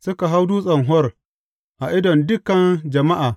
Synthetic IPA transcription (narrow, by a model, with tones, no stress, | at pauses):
sʊ˦ka˨ɦa˦wduː˦sʼɐ˨ŋɦɔ˦r | ʔa˨ʔɪ˦dɔ˨ndʊ˦kɐ˨nd͡ʒɐ˨ma˦ʔaː˨